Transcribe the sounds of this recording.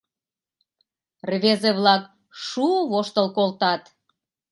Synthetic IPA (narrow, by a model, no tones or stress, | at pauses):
rβezeβlɑk | ʃuβoʃt̪əlkolt̪ɑt̪